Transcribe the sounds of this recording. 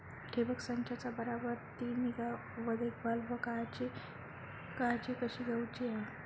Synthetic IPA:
ʈʰebəksənt͡ɕʰat͡sabəɾabəɾt̪imiɡa | ʋəd̪ekbalʋəkat͡ɕi | kat͡ɕikəɕiːɡʱaut͡ɕiɦa

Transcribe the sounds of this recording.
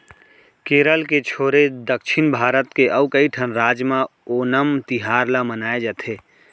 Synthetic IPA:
keːɾəlket͡ʃʰoːɾed̪əkʃʰɪnbʱaːɾət̪keʔəʊkəiʈʰənɾaːd͡ʒmãoːnəmt̪ɪɦaːɾlamənaːed͡ʒət̪ʰeː

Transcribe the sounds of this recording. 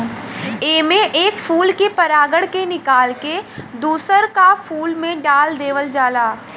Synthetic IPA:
eːmẽʔeːkfʰuːlkepɐɾaːɡəɽkenɪkaːlked̪uːsəɾkafʰuːlmẽɖaːld̪eːʋəld͡ʒaːlaː

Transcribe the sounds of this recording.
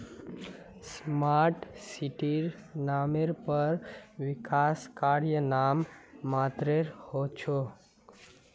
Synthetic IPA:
smaɾʈsiʈiɾ | nameɾpəɾʋɪkʰaskaɾjənamːat̪ɾeɾhot͡ʃʰo

